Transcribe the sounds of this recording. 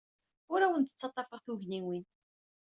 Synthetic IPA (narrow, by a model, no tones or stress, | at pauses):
ʊɾæwənt̪ə̥t͡sːɑt̪ˤːɑfəʁθuʝninwin